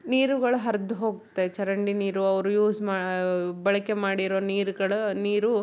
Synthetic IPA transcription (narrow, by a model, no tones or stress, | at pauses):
niːɾuɡɐɭuɦɐɾd̪uɦo̞ːɡt̪ːet͡ʃɐɾɐɳɖiniːɾuɐʋɐɾujuːsmaːbɐɭɐke̞maːɽiɾoːniːɾuɡɐɭuniːɾu